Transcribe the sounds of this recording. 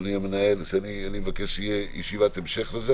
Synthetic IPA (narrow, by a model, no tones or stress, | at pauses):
niamenaelʃeanianimevakeʃʃjejeʃivat̪emʃeχleze